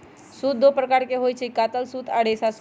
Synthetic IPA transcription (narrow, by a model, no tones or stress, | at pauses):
sut̪̚d̪opɾəkaːɾkeɦojt͡ʃʰikat̪əlsut̪ʰaɽesas